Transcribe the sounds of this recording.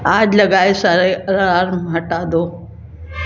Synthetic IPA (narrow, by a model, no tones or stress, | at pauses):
aːd͡ʑlɐɡaːesaːɾeʔɐɾaːɾmɦɐʈaːd̪oː